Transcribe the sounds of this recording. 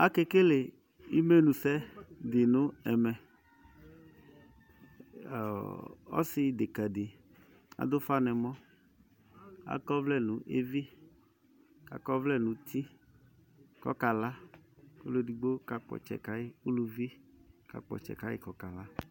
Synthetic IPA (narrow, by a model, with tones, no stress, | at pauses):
a˦ke˦ke˦le˨ | i˦me˦nũ˨sɛ˦dɪ˨nʊ˦ɛ˨mɛ˨ | ɔ̰˦sɪ˦de˨ka˨de˨ | a̰˨d̪ʊ˦fa˦nɛ˨mɔ̃˦ | a̰˨˦kɔ˦vlɛ˦nũ˨ʔe˦vi˦ | ka̰˨kɔ˦vlɛ˦nũ˨t̪ʰi˦ | kɔ̰˦ka˨la˦ko˦lo˨di˨ɡ͡bo˦ka˨k͡pɔ̰˨t͡ʃɛ̰˨ka˦jɪ˦u˦lu˨vi˦ka̰˨k͡pɔ̰˨t͡ʃɛ̰˨ka˦ɪ̰˦kɔ˨ka˨la˦